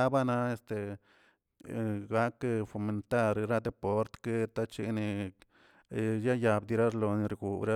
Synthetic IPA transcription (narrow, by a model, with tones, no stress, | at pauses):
a˦ba˦na˧e˧st̪e˨ | ɡa˦kfo˨me˨nt̪a˦ɾɾa˦d̪e˧po˦ɾt̪ke˦t̪a˦t͡ʃḭ˧ni˧ | ja˦ja˧bd̪i˧ɾa˦ɾlo˧ni˧ɾɡu˨bɾa˦